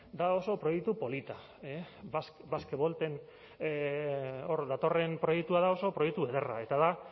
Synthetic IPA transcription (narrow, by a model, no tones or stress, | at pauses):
d̪ao̞so̞pɾo̞jekt̪upo̞lit̪a | e | sβaskeβo̞lt̪e̞n | o̞ɾðat̪o̞re̞mpɾo̞jekt̪uaðao̞so̞pɾo̞jek̚t̪ue̞ðera̰e̞t̪aða